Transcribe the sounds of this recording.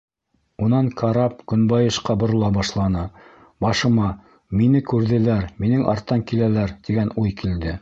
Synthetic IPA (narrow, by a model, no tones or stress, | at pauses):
unɑŋkʰɑɾɑp̚kɵ̆nbɑjɤ̆ʃqɑbŏɾɤ̆lˠɑbɑʃlˠɑnɤ | bɑʃɤ̆mɑ | minɘkʉɾðɘ̆læɾminɘŋʔɑ̰ɾt̪ːɑŋkilælæɾt̪iɡænujkild̪ɘ